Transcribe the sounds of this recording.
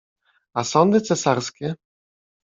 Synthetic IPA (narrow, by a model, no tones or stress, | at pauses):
asɔnd̪ɘt̪sɛsaɾskʲɛ